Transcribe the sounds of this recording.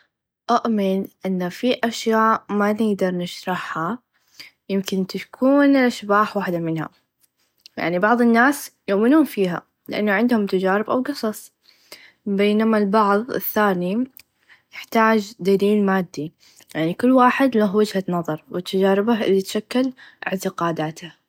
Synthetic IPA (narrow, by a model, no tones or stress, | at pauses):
ʔaʔmɪnʔɪnːafiʔaʃjaːʔmanɪɡd̪ɑɾˤnɪʃɾˤɑħha | jɪmkɪnt̪akʰuːnlʔaʃbaːħwaːħd̪amɪnha̰ | ja̰ʕnibɑʕðˤɪnːaːsjʊʔmɪnhʊmfiːɦa̰ | lɪʔa̰nːaʕɪnd̪hʊmt̪ad͡ʒaːɾɪbʔawɡɨsˤɑsˤ | beːnamalbɑʕðˤɪ̰θːaːni | jɪħt̪aːd͡ʒd̪aliːlmaːd̪ːi | jaʕnikʊlːwaːħɪd̪laɦwad͡ʒhat̪nɑðˤɑɾˤwɪt̪ːad͡ʒaːɾɪbaʔɪlːit̪ʃakːɪlʔɪ̰ʕt̪ɪqɑːd̪aːt̪a